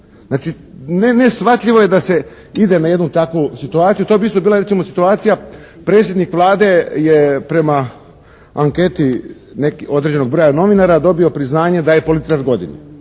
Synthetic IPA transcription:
znaːt͡ʃi | nenesxʋat̪ʎʲiʋo̞je̞d̪ase̞ | id̪e̞naje̞d̪nut̪akʋusit̪uaːt̪ijut̪oebiist̪obiːlaɾesimo̞sit̪uaːt̪sija | pɾe̞ːt̪sjed̪nikʋlˠaːd̪e̞jepɾe̞ma | aŋke̞t̪i | nekio̞d̪ɾed͡ʑe̞no̞ɡ̚bɾo̞jano̞ʋinaɾad̪o̞bio̞pɾiznaːɲe̞d̪ajepo̞lit̪i̥t͡ʃaɾɡo̞d̪ḭni

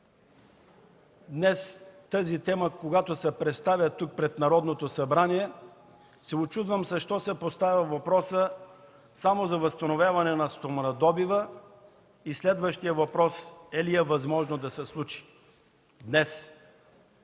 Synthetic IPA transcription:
d̪nɛst̪əzit̪ɛməkoɡat̪osɛpɾɛt̪st̪avʲjət̪uk̚pɾɛt̪nɐɾɔd̪not̪osɐbɾaniɛ | sɛot͡ʃud̪vəmsɐʃt̪ɔsɛpost̪avʲəvɐpɾɔsə | samozɐvɐst̪ɐnovʲjavɐnɛnɐst̪omnɐd̪ɔbivə | islɛd̪vəʃt̪ijəvɐpɾɔsɛliɛvɐzmɔʒnod̪ɐsɛslˠut͡ʃi̥ | d̪nɛs

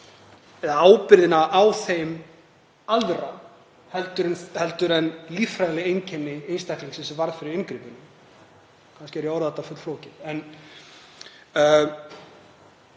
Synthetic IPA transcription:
ɛðaaːwpɪɾðɪnaʔawθejm | alra | hɛlt̪ʏɾɛnhɛlt̪ʏɾɛnliːfɾajlɪejncʰɛnːɪejnst̪ahkliŋksɛmsɛvaɾðfɪɾɪɾɪnkɾiːpɪnʏ | kʰanscɪɛɾjawɾðɛt̪afʏt̪floːwcɪɛn

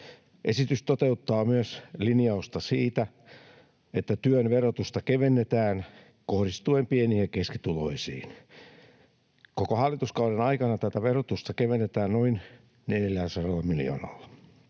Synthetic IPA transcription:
ʔesit̪yst̪ot̪eut̪ːɑːmyøslinijɑust̪ɑsiːt̪æ | et̪ːæt̪yønʋerot̪ust̪ɑkeʋenːet̪æːn | kohɾist̪uempienihekeskit̪ulo̰isḭːn | kokohɑlːˑit̪uskɑuɾenɑikɑnɑt̪æt̪æʋerot̪ust̪ɑkeʋenːet̪æːnnoin | neljæsɑɾɑlːɑmilijo̰ːnɑ̰lːɑ

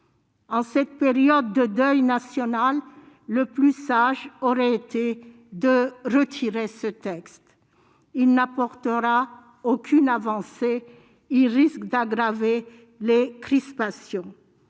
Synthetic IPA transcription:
ɑ̃sɛt̪̚peʁjɔd̪̚ːəd̪œjnasjɔnalː | əplysaʒɔʁɛet̪e | d̪əʁət̪ʰiʁesət̪ɛkst̪ | ilnapɔʁt̪əʁa | okʲʰynavɑ̃se | ilʁiskd̪aɡʁave | lekχispasjɔ̃

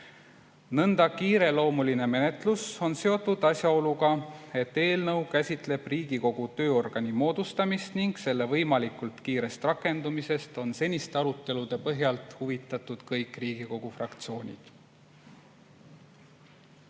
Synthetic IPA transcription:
nɤnd̪̥ɑkiːɾe̞lo̞ːmuline̞me̞ne̞t̪ˑluso̞nse̞o̞t̪ːˑud̪̥ɑsʲjɑo̞luɡɑe̞t̪ːe̞ːlnɤwkæsʲit̪ˑle̞b̥riːɡ̥iko̞ɡ̥ut̪ø̞ːo̞rɡ̥ɑnimo̞ːd̪ust̪ɑmist̪niŋɡ̥se̞lːe̞vɤjmɑlikult̪kiːɾe̞st̪rɑkːˑe̞nd̪umise̞st̪o̞nse̞nʲist̪eɑɾut̪ˑːe̞lud̪̥e̞pɤɦjɑlt̪ˑhuvit̪ːˑɑt̪ˑːud̪̥kɤjkˑriːɡ̥iko̞ɡ̥ufrɑkt̪sio̞ːnʲḭd̪̥

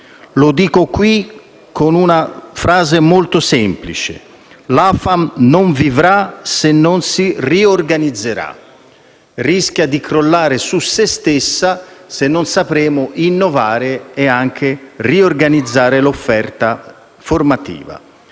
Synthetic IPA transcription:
lʊd̪iːkokwi | kːonunafɾaːzemolt̪ʊsɛmplit͡ʃḛ | lafamnoɱvivɾasenːonsiriorɡanid̪zːeɾa̰ | risk̟jad̪ikɾolːaːɾesusːest̪esːasenːonsapɾɛːmʊʔinːovaːɾɪeaŋk̟ʰeriorɡanid̪zːaːɾɪlofːɛrt̪a | format̪ḭːva̰

